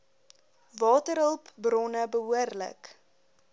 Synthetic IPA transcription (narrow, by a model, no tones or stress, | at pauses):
vɑːtəɾɦəlˠpbrɔnəbəɦuərlə̰k